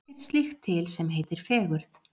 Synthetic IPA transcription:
t̪st̪lixt̪ʰːɪlsɛmɦeːjt̪ɪɾ̥fɛːɣʏɾð

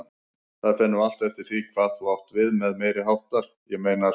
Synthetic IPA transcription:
θaðfɪnːʏal̥t̪ɛft̪ɪɾ̥θiːkʰvaðθuawht̪vɪðmɛðmeːjɾɪɦawht̪aɾ̥ | jɛɣmejna

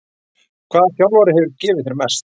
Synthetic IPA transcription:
kʰvaːðaθjawlvaɾɪɦɛvʏɾcɛːvɪðθɪɾmɛst̪

